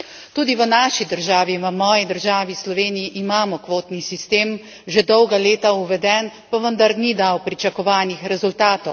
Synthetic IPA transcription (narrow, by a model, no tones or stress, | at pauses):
t̪uːd̪iʋənaːʃid̪əɾʒaːʋiʋəmɔːjid̪əɾʒaːʋislɔʋeːnijiʔːmaːmɔkʋoːt̪nisist̪eːm | ʒed̪ɔwɡaleːt̪auʋɛd̪ɛnpaʋənd̪aɾnid̪awpɾit͡ʃakɔʋaːnixɾɛzult̪aːt̪ɔw